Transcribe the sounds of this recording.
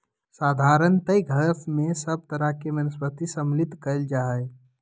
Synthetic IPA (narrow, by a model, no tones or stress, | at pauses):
saːd̪ʱaːɾənt̪əjɡʱəpʰmẽsəb̚t̪əɾəɦkemənəspət̪isəmlɪt̪kəld͡ʒaːɦəe